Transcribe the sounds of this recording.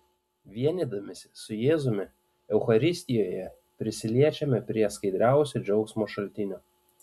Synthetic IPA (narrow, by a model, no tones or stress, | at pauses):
ʋʲiɛnʲid̪ɐmʲɪsʲsʊjeːzʊmʲɪ | ɛʊxɐɾʲɪsʲt̪ʲɪjoːjɛ | pʲɾʲɪsʲɪlʲiɛt͡ʃʲɛmʲɪpʲɾʲiɛskɐɪd̪ʲɾʲæˑʊsʲod͡ʒʲɛʊksmoːʃɐlʲt̪ʲɪnʲoː